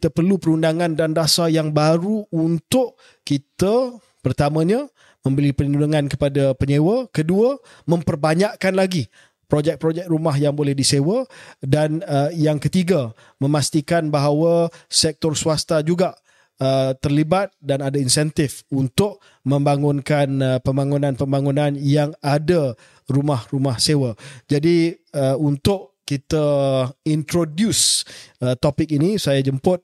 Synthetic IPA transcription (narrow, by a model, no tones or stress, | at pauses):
kit̪əpərlupəɾundaŋandandasajaŋbaɾuːnt̪ʊʔ | kit̪ə | pərt̪amə̃ɲa | mə̃mbəlipəninunuŋankəpadapəɲewəkəduə | mə̃mpərbaɲaʔkanlaɡi | pɾod͡ʒɛk̚pɾod͡ʒɛk̚rumaɦjaŋbolɛhdisewədanəjaŋkət̪iɡa | mə̃mast̪ikanbaɦawasɛk̚t̪ɔrsuast̪ad͡ʒuɡaʔ | ət̪ərlibat̪̚danadainsɛnt̪ɪfunt̪ʊʔ̚ | mə̃mbaŋʊnkanpəmbaŋunãnpəmbaŋunãnjaŋada | rumahrumahsewəd͡ʒadi | əunt̪ʊʔkit̪aint̪ɾodjusət̪opɪk̚inisajad͡ʒəmpʊt̪̚